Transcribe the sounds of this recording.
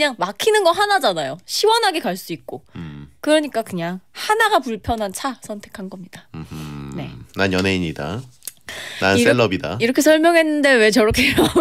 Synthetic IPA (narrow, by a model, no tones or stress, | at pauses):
ɯɲaŋmakʰinɯnɡʌɦanad͡ʑanajoɕʰiwʌnɦaɡekaɭs͈uik̚k͈okɯɾʌɲik͈akɯɲaŋhanaɡapuɭpʰjʌnɦant͡ɕʰasʰʌntʰe̞kʰanɡʌmɲid̥a | ne̞̰nanjʌnɦe̞iɲida̰ | nas͈eɭːʌbida̰iɾʌkʰe̞sʰʌɭmjʌŋɦe̞nːɯnde̞we̞t͡ɕʌɾʌkʰeʌ